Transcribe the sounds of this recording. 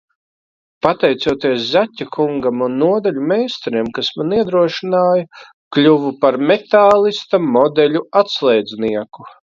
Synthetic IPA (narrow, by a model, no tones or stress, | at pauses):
pat̪ɛjt̪suɔt̪iɛszatʲːakʰuŋɡamunːuɔd̪alʲumeːst̪ɾemkasmaniɛd̪ɾuɔʃinaːja | klʲuvupaɾmet̪aːlˠist̪amɔd̪ɛlʲuat̪slˠɛjd̪zniɛku